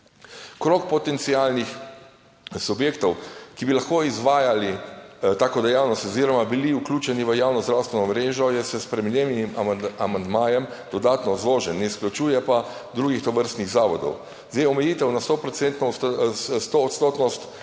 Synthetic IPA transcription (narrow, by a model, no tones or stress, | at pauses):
kɾoːkpɔt̪ɛnt̪sialnix | subjeːkt̪ɔwkibilaxkoizʋaːjalit̪aːkɔd̪ɛjaːwnɔst̪ɔziːɾɔmabiliuklʲuːt͡ʃɛniʋəjaːwnɔzd̪ɾawst̪ʋɛnɔmɾeːʒɔjɛsɛspɾɛminjemnimamand̪maːjɛmd̪̥ɔd̪aːt̪nɔzloːʒɛnːɛisklʲut͡ʃuːjɛpa | d̪ɾuːɡixt̪ɔʋəɾst̪niɣzaːʋɔd̪ɔ̰w | zd̪ejɔmɛjiːt̪ɛwnast̪opɾɔt̪sent̪nɔ | st̪oːt̪st̪oːt̪nɔst̪